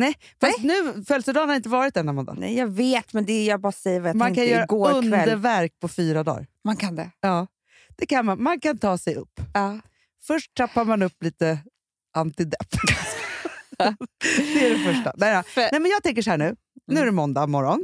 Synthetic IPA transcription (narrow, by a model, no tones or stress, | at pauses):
nɛ | fast̪nʉ̟ːfœlsəd̪ɑːnhaɾɪnt̪əvɑːɾɪt̪̚d̪ɛnːamɔna̰nɛ̰jɑːɡveːt̪mɛnd̪ɛjabɑːɾasɛjːəɾvajatmmankʰanjœːɾaɡoːɵnddɛəɾvæɾk̚pʰɔfyːɾad̪ɑ̰ːɾmankʰand̪ɛjɑː | d̪̥ɛkʰanmanmankʰant̪ʰɑːsɛjɵ̰pː | fœʂʈ̚t̪ʰapːaɾmanɵpːliːt̪ə | ʔant̪ɪd̪ɛpːs | d̪ɛæɖɛfœʂʈa̰nɛd̪ɛjmɛnjɑɡt̪ʰɛŋk̬əʂɔhæːɳʉ̟ː | nʉ̟ːæɾɛmɔnd̪amɔɾɔn